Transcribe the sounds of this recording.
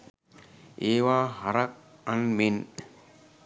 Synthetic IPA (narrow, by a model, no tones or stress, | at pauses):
eːʋaːɦaɾak̚anmen